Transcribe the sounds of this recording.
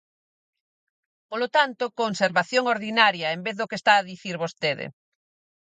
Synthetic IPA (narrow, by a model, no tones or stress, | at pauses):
polot̪ant̪okonseɾβaθjoŋoɾðinaɾjɐembeððokest̪aːðiθiɾβost̪eðḛ